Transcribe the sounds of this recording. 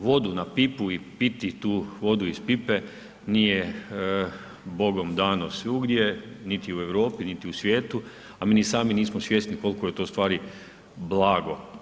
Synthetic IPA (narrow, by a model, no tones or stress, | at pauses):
ʋo̞d̪unapipuipit̪it̪uːʋo̞d̪uispipe | niːje | bo̞ɡo̞md̪aːnosʋiuɡd̪jenit̪iue̞ʋɾo̞ːpinit̪iusʋjeːt̪u | amenisaːminiːsmosʋjest̪niko̞lkojet̪o̞ːst̪ʋaːɾi | blaːɡo̞